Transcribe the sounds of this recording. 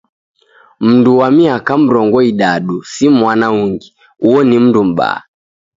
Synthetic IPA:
m̩nduwamiakam̩ɾɔŋɡɔiɗaɗusimwanauŋɡi | uɔnim̩ndum̩ɓa̰a̰

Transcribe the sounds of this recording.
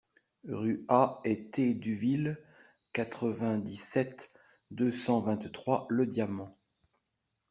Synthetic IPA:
ʁyaɛt̪ed̪yvil | kat̪χəvɛ̃d̪isɛt̪ | d̪øsɑ̃vɛ̃t̪t̪χwaləd̪jamɑ̃

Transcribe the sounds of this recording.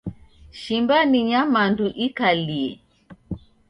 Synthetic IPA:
ʃimbaniɲamanduʔikaliɛ

